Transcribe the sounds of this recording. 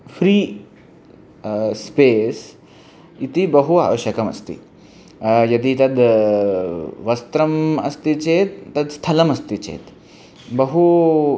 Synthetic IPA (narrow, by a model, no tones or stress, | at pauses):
fɾiː | spes | it̪ibɐɦua̰ʋəɕjɐkɐmɐ̰st̪ḭ | jɐd̪it̪ɐd̪ | ʋɐst̪ɾɐmɐ̰st̪it͡ɕet̪ːɐd̪st̪ʰɐlɐmɐst̪it͡ɕḛːt̪ | bɐɦu